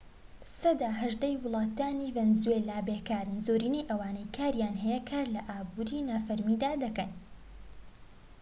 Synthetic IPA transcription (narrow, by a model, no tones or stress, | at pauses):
sɐd̪aːɦɐʒd̪ɐjwʊlˠɑːt̪aːnivɛnzuelabekaːɾɨnzoːɾiːnejʔɐwaːnɐjkʰaːɾjaːnɦɛjekʰaːɾlɐʔaːbuɾiːnaːfɐɾmid̪aːd̪ɐkɐn